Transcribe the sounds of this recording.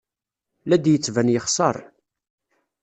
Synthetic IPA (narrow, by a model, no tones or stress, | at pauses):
læd̪jət͡sːvænjəχsˤɑɾˤ